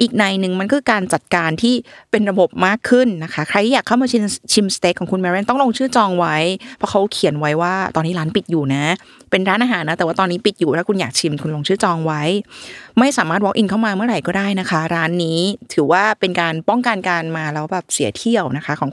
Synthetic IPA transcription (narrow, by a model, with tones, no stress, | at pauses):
ʔiː˨˩k̚na˧jnɯ˨˩ŋma˧nkɔ˥kʰɯː˧kaː˧nt͡ɕa˨˩t̪̚kaː˧nt̪ʰiː˥˩pe˧nɾa˧bo˨˩p̚maː˥˩kʰːɯ˥˩nːa˦˥kʰa˦˥kʰɾa˧jtʰiː˥˩aː˨˩kʰːa˥˩wmaː˧t͡ɕʰi˧mt͡ɕʰi˧mst̪e˦˥kʰːɔː˨˩˦ŋkʰu˧nmɛ˧ɾe˥nt̪ɔ˥˩ŋloː˧ŋt͡ɕʰɯː˥˩t͡ɕɔː˧ŋwa˦˥jpʰɔ˦˥kʰa˦˥wkʰi˨˩˦ənwa˦˥jwaː˥˩t̪ɔː˧nːiː˦˥ɾaː˦˥npi˨˩t̪̚juː˨˩na˦˥ | pe˧nɾaː˦˥nʔaː˧ɦaː˩˦nːa˦t̪ɛː˨˩waː˥˩t̪ɔː˧nːiː˦˥pi˨˩t̪̚juː˨˩lɛː˦˥wkʰu˧njaː˨˩k̚t͡ɕʰi˧mkʰu˧nloː˧ŋt͡ɕʰɯː˥˩t͡ɕɔː˧ŋwa˦˥jma˥˩jsaː˩˦maː˥˩t̪̚wɔ˦kʔi˧nkʰa˥˩wmaː˧mɯ˥˩ɾa˨˩jkɔː˥˩daː˥˩jna˦˥kʰa˦˥ɾaː˦˥nːiː˦˥t̪ʰɯː˨˩˦waː˥˩pe˧nkaː˧npɔ˥˩ŋka˧nka˧nmaː˧lɛː˦˥wbɛː˨˩p̚si˨˩˦t̪ʰi˧˥˩əwna˦˥kʰa˦˥kʰɔː˨˩˦ŋ